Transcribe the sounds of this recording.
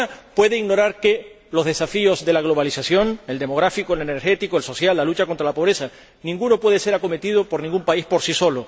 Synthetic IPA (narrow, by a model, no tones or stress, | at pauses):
apwe̞ðeiɣno̞ɾaɾke | lo̞zðe̞safio̞zðe̞laɣ̞lo̞βalisasjo̞ne̞ld̪emo̞ɣ̞ɾafikoeleneɾxe̞t̪ikoelso̞sjalːalut͡ʃako̞nt̪ɾalapo̞β̞ɾe̞sa | nĩŋɡuno̞pwe̞ðese̞ɾako̞me̞t̪iðo̞po̞ɾnĩŋɡumpaispo̞ɾsiso̞lo